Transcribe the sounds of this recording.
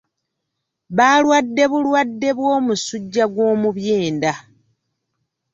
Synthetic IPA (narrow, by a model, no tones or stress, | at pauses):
βaːlwadːe̞βulwadːe̞βwo̞ːmusuɟːaɡwo̞ːmuβjeːnda